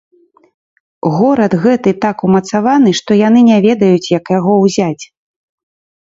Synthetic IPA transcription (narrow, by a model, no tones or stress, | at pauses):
ɣɔɾɐd̪ɣɛt̪ɨt̪akumɐt̪savan̪ɨʂt̪ɔjan̪ɨnʲɛvʲɛd̪ɐjut͡sʲjɐkjaɣɔwzʲat͡sʲ